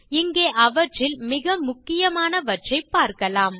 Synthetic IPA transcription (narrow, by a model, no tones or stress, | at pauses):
ɪŋɡeːʔɐʋɐʈrɪlmɪɣɐmʊkːɪjɐmaːnɐʋɐʈʈt͡ʃɐɪpːaːɾkɐlaːm